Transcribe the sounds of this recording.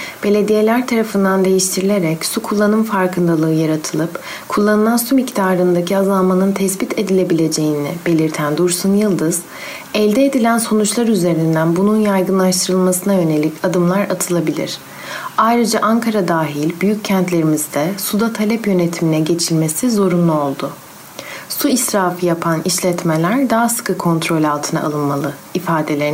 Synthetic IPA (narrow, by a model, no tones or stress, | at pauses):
b̥e̞lʲe̞d̪ije̞lʲæɾt̪ʰaɾafɯnd̪and̪e̞jiʃt̪ʰiɾilʲe̞ɾɛcsukʰulˠːanɯmfaɾkɯnd̪alˠɯɯjaɾat̪ʰɯlˠɯp | kʰulˠːanɯlˠansumict̪ʰaːɾɯnd̪acʰiazalˠmanɯnt̪ʰɛsbit̪ʰe̞d̪ilʲe̞bilʲe̞d͡ʒe̞jinɛbe̞lʲiɾt̪ʰænd̪uɾsunjɯlˠd̪ɯz̥ | ɛlʲd̪eed̪ilʲænso̞nut͡ʃlˠaɾyze̞ɾind̪ænbununjajɡɯnlˠaʃt̪ʰɯɾɯlˠmasɯnaø̞ne̞lʲicʰad̪ɯmlˠaɾat̪ʰɯlˠabilʲḭɾ̥ | ajɾɯd͡ʒaʔaŋkʰaɾad̪aːɦilʲbyjyc̚cʰɛnt̪lʲe̞ɾimizd̪ɛsud̪at̪ʰalʲɛpjø̞ne̞t̪ʰiminɛɟe̞t͡ʃʰilʲme̞sizo̞ɾunlˠuo̞lˠd̪ʊ | suisɾaːfɯjapʰaniʃlʲɛt̪melʲæɾd̪aɦasɯ̥kɯkʰo̞nt̪ʰɾo̞lʲalˠt̪ʰɯna̰a̰lˠɯnmalˠɯifaːd̪e̞lʲeɾ